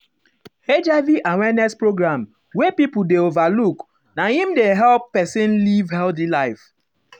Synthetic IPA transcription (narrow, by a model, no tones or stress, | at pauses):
ed͡ʒaviʔawɛnɛspɹoɡɹãm | wepipudeovaluk | nahĩmdeɦɛlpːɛsĩnlivhɛlθilaɪf